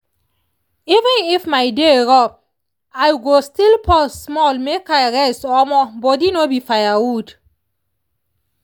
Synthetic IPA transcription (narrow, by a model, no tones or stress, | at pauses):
ivə̃nifmaɪdeɹɔ | ajɡostilpʰɔsmɔlmekajɹɛstɔmɔbɔdinobifajawud